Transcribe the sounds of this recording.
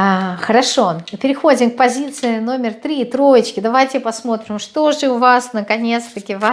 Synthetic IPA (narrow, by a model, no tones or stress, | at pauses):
axəɾɐʂo̞ɨpʲɪɾʲɪxo̞dʲɪmk̚pɐzʲit̪sɨɪno̞mʲɪrt̪ɾʲiːt̪ɾo̞jɪt͡ɕkʲɪd̪ɐvajtʲɪpɐsmo̞t̪ɾʲɪmʂt̪o̞ʐɨʊvasnəkɐnʲe̞t̪st̪əkʲɪva